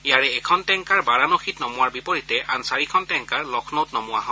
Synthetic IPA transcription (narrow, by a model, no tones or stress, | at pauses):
ijaɹɛːkʰɔntɛŋkaɹbaɹanoxʰitnɔmʊwaɹbipoɹitɛʔansaɹikʰɔntɛŋkaɹlɔkʰnowtnɔmʊwa̰ɦɔ̃